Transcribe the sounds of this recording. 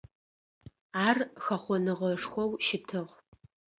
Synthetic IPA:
aːrxɐχʷɔnɨʁɐʂxʷɔwʃɪtʰɨʁ

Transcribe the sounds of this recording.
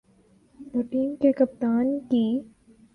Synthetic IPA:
t̪oʈiːmkekɐp̚t̪aːnkiː

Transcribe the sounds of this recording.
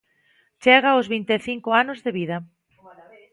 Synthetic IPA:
t͡ʃɛɣ̞aozβint̪eθiŋkoanozðeβiðɐ

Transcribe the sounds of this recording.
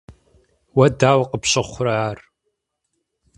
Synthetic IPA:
wɐdaːwqəpɕɨχʷʊrɐaːr

